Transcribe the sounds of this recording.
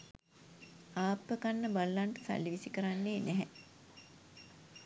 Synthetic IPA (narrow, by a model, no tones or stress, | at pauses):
aːpːəkanːəbalːaɳʈə̥sa̰lːiʋisikəɾanːeːnæɦɛ